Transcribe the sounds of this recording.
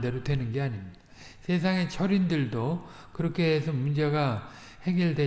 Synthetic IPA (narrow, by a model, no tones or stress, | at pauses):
de̞ɾodwe̞nɯnɡe̞aɲimɲid̥a | sʰe̞s̬ʰaŋe̞t͡ɕʰʌɾindɯɭdo | kɯɾʌkʰe̞ːsʰʌmund͡ʑe̞ɡa | he̞ɡjiɭdwe